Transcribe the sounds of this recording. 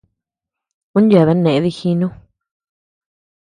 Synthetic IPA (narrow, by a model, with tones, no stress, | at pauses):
ũ˦n˦ja˨βa˦nẽ˨ʔði˧xi˧˦nũ˦